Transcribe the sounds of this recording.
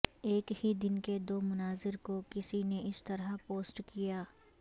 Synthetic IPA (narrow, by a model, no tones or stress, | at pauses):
eːkhid̪ɪnked̪oːmʊnaːzɪɾkokɪsineʔɪst̪ɐɾapoːsʈkijaː